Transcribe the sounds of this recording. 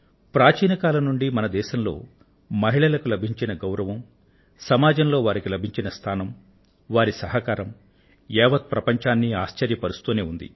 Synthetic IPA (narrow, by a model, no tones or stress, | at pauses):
pɾaːt͡ʃiːnɐkaːlɐnuɳɖimɐnɐd̪ɛːʃɐmlo̞̰ː | mɐɦiɭɐlɐkulɐbʱiɲt͡ʃinɐɡɐwɾɐʋɐm | sɐmaːd͡ʒɐmlo̞ːʋaːɾikilɐbʱiɲt͡ʃinɐst̪ʰaːnɐm | ʋaːɾisɐɦɐkaːɾɐm | ɛːʋɐt̪̚pɾɐpɐɲt͡ʃaːnːiaːʃt͡ʃɐɾjɐpɐɾust̪uːneːund̪ḭ